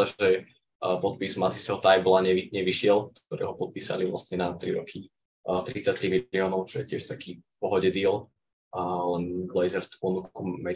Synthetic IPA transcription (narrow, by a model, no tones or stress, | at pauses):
aɛ | pɔt̪̚pizmat̪isɛɦɔt̪ajblaɲɛʋiɲɛʋiʃɪɛlk̚t̪ɔɾɛ̰ːɦɔpɔt̪̚piːsa̰liʋla̰sɲɛnat̪ɾḭɾɔkʰi | t̪ɾit͡sat̪ɾimiliɔːnɔʊt͡ʃɔjɛcɪɛʃt̪akʰiːfpɔɦɔɟɛd̪iɛlː | lɛnblɛjzɛɾst̪u̥pɔnukumɛ